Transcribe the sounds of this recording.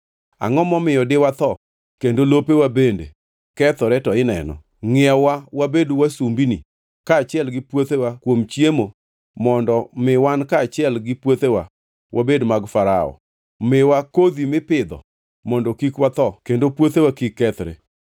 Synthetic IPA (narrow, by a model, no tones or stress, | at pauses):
a̰ŋɔmɔmɪjɔdɪwat̪ɔ | kendolopewabendḛ | kɛt̪ɾɛtɔɪnɛ̰nɔ̰ | ŋɪawawabedwasumbinḭ | kaːt͡ʃɪɛlɡɪpwot̪ewakwomt͡ʃjemo | mɔndɔmɪwankaːt͡ʃɪɛlɡɪpwot̪ewa | wʔabedmaɡfaɾaɔ̰ | mɪwakod̪imɪpɪd̪ɔ̰ | mɔndɔkikwat̪ɔkendopwot̪ewakikːɛt̪ɾḛ